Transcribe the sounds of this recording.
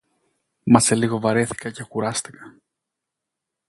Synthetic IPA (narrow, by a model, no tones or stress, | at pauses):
mɐse̞liɣo̞vɐɾe̞θi̥kɐcexuɾɐst̪i̥kɐ̥